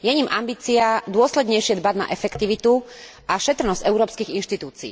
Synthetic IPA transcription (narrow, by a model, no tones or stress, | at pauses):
jɛɲimambiːt͡siad̪ʊɔslɛd̪ɲɛjʃɪɛd̪bad̪na̰ʔɛfɛkt̪iʋit̪u | ʔaʃɛt̪ɾnɔz̥ɛʊɾɔːpskiɣinʃt̪it̪uːt͡sḭː